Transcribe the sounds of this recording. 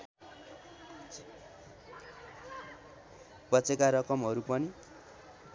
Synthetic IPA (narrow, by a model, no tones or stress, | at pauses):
bʌt͡sekaɾʌkʌmɦʌɾupʌni